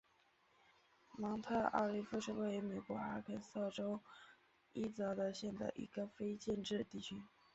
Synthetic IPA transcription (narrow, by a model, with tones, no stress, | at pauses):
mɑ˧˥ŋt̪ʰa˥˩ʔɑ̰˥˩li˥˩fu˥˧ʂ̩˥˧we˥˩ɪy˧˥me˨˩ɪkwɔ˧˥a˥kʰə˨˩sɑ˥˩ʈ͡ʂo˥ʊ | i˥t͡sɑ˧˥d̪ə˧ɕjɛ˥˩nd̪ə̰˥˩ɪʔḭ˧˥ɡə˨fe˥ɪt͡ɕjɛ˥˧nʈ͡ʂɻ̩˥˧t̪i˥˩t͡ɕʰy˥